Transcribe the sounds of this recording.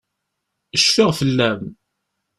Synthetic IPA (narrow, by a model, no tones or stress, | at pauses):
əʃfiʁfəlːæm